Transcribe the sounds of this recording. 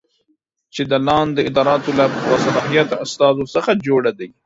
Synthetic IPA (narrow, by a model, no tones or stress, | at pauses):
t͡ʃed̪əlɑnd̪əɪd̪ɑɾɑːt̪olawasalɑɦijat̪ast̪ɑzosəxad͡ʒoɽad̪aj